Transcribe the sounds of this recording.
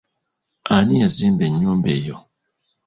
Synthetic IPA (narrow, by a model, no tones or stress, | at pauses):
aniazimbeɲumbejɔ